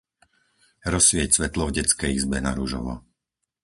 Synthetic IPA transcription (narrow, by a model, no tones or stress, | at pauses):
ɾɔsʋɪɛcsʋɛt̪lɔvɟɛt͡skɛjizbɛnaɾuʒɔ̰ʋɔ̰